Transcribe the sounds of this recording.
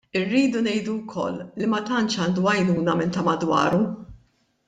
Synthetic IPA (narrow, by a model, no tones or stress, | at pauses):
ɪrːiːd̪unɛjd̪uwkʰɔ̰lːimɐt̪ɐnt͡ʃɐːnd̪uɐjnuːnɐmɪnt̪ɐmɐd̪wɐ̰ːɾu